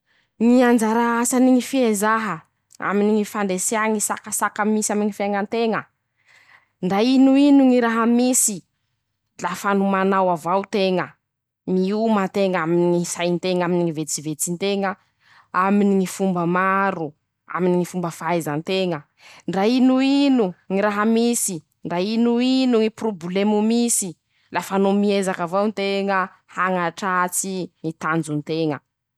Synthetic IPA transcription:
ŋiand͡ʒaɾaasaniŋifiezaɦə | a̰miniŋifand̪eseaŋisa̰kəsakəmisamiŋifaŋənt̪eŋə | ɳɖ͡ʐainuinuŋiɾaɦəmisi | lafanumanawavawt̪eŋə | miumat̪eŋaminiŋisajnt̪eŋaminiŋivet͡sivet͡sint̪eŋə | aminiŋifumbəmaɾu | a̰miniŋifumbəfajzənt̪eŋə | ɳɖ͡ʐainuinuŋiɾaɦamisi | ɳɖ͡ʐainuinuŋiproblemumisi | lafanomiezakavawnt̪eŋə | haŋaʈ͡ʂat͡siŋit̪and͡zunt̪eŋə

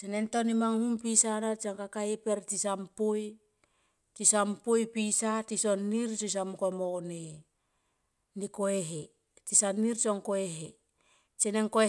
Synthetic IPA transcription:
t͡ʃenentonimaŋhumpisanat͡ʃaŋkakaipeɾtisampoj | tisampojpisatisonːiɾt͡ʃos̬amkomone | nikoeɦe | tisanːiɾt͡ʃoŋkoeɦe | t͡ʃeneŋkoe

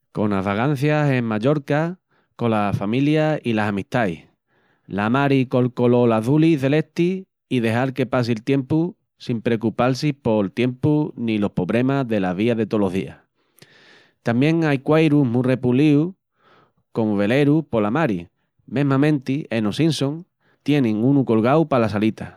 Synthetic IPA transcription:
ko̞naɦβaɣan̟θjase̞ŋmaʎo̞ɾka | ko̞lafamiljailasamiht̪aj | lamaɾiko̞lko̞lo̞laðuliθe̞le̞ht̪iː | ðe̞ɦaɾke̞pas̬ilt̪je̞mpu | simpɾe̞kupals̬ihpo̞lt̪je̞mpunĩlo̞hpo̞βɾe̞maðe̞laβ̞iaðe̞t̪o̞lo̞ɦðḭa̰h | t̪ambjẽ̞ŋajkwajɾuɦmure̞puliu | ko̞moβe̞le̞ɾupo̞lamaɾi | mẽ̞ɦmãmẽ̞nt̪ie̞nosinsõ̞ŋ | t̪je̞nẽŋunuko̞lɣawpalasalit̪a

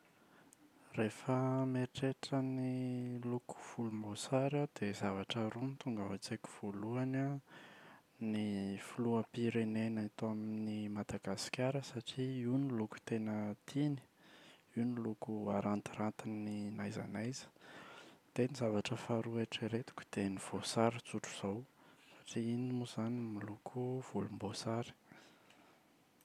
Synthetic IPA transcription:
refəmeʈ͡ʂeʈ͡ʂəniluku̥v̥ulumbosaɾad̪̥ezavaʈ͡ʂəɾunit̪uŋɡavat͡seku̥v̥oluana | nifuluapiɾenenant̪oaminimad̪aɡasi̥kʲjaɾəsaʈ͡ʂiiniluku̥t̪enət̪ʰini̥iunilukuaɾant̪iɾant̪ininajza̰najzə̥ | t̪enizavaʈ͡ʂəfaɾuaʈ͡ʂeɾet̪u̥kʲu̥d̪̥eniv̥osaɾit͡suʈ͡ʂuz̥awsḁʈ͡ʂiinimuzanimilukʰuv̥ulumbosaɾi̥

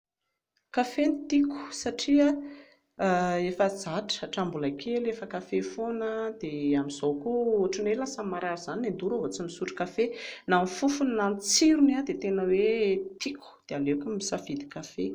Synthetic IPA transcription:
kafenit̪iku̥saʈ͡ʂia | efəd͡zaʈ͡ʂə̥aʈ͡ʂambulakʰelefəkafefonəd̪̥eamizokuoʈ͡ʂinelasamaɾaɾz̥aninend̪uɾaɦot͡simisuʈ͡ʂi̥kafenamifufunnanit͡siɾunad̪et̪enəwet̪iku̥d̪̥ealekumisafid̪i̥kafe

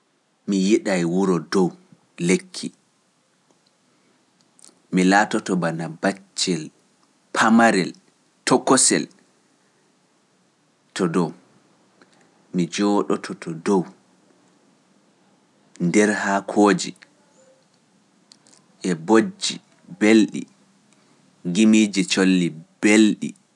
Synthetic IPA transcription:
mijiɗajwuɾɔdɔw | lekʰːi | milaːtɔtɔbanabat͡ʃːɛl | pʰamaɾɛl | tɔkːɔsɛ̰l | tɔdɔw | mid͡ʒɔːɗɔtʰɔtʰɔdɔw | ndɛɾhakʰoːd͡ʒḭ | ʔɛbod͡ʒi | belɗḭ | ŋɡimiːd͡ʒit͡ʃolːibelɗḭ

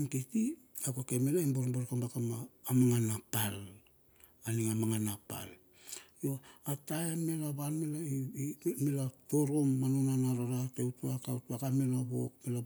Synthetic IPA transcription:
nkiti | akokemelaimboɾboɾkambakamaːmaŋanapal | aniŋamaŋanapa̰l | joatajame̞laβanmelaimelato̞ɾo̞mːanonanaɾaɾateutuakautuakamelaβo̰kmela

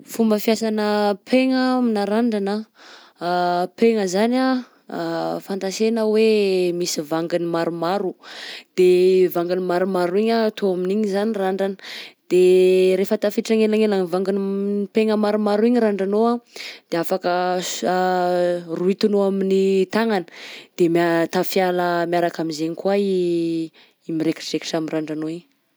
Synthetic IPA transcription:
fumbəfjasanəpʰeŋaminaɾaɳɖ͡ʐanə | peŋəzana | fant̪asenəwemisivaŋɡinimaɾumaɾud̪̥evaŋɡinimaɾumaɾuiɲat̪ʰoaminiɲizaniraɳɖ͡ʐani̥d̪̥eɾefət̪afiʈ͡ʂaŋelaŋelaŋivaŋɡinpeŋəmaɾumaɾuiɲiɾaɳɖ͡ʐanoad̪̥eafakə | ruit̪unoaminit̪aŋanə̥d̪̥emat̪afjaləmjaɾakamizeɲikwai | imiɾeki̥ʈ͡ʂreki̥ʈ͡ʂamiraɳɖ͡ʐanoiɲ

